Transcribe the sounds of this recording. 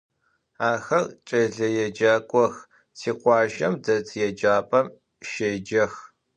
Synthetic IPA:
aːxɐrt͡ʃʼɐɮɐjɛd͡ʒaːkʷʼɔx | sʰiːqʷɑːʒɐmdɐt͡sʰjɛd͡ʒaːpʼɐm | ʃeːd͡ʒɐx

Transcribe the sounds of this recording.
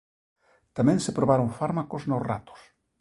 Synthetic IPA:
t̪amɛ̃ŋsepɾoβaɾõŋfaɾmakoznosra̰t̪ʊ̥s

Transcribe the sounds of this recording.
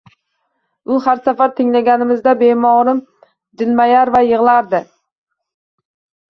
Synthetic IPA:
ʊhaɾsafaɾt̪ʰɪŋlaɡʲanɪmɪzd̪abemɒʁɾɪm | d͡ʒ̪ɪlmajaɾvajɨʁlˠaɾd̪ɪ

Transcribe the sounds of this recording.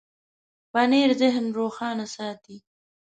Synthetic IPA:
baneːɾzɪɦnɾoːxɑːnasɑːt̪i

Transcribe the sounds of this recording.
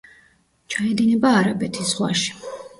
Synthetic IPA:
t͡ʃʰaɛd̪inɛbaːɾabɛt̪ʰisz̥ʁwa̰ʃi̥

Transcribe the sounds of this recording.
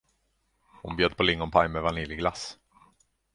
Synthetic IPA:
hʊnbjøːd̪̚pʰɔlɪŋːɔnpʰajmɛvanɪljɪɡlas

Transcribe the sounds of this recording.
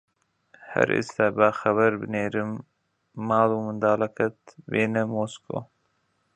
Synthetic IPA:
hɛ̰ɾʔḭst̪aːbaːxɐβɐɾbɨneːɾɨmː | aːluːmɨnd̪aːlɐkʰɐt̪veːnɛmosko̰ː

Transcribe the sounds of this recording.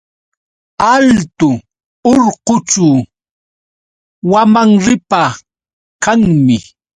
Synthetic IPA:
alt̪ʊ | oɾqʊt͡ʃʊ | wamaŋɾɪpa | kaŋmɪ

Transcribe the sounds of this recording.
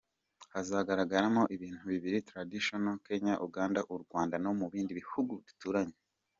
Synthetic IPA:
hazaɡaɾaɡaɾamo̞ʔiβiːn̥huβiβiɾitɾadiʃonoke̞ɲaʔuɡaːndaʔuɾɡwaːndano̞muβiːndiβihuɡudi̥tuːɾaɲe

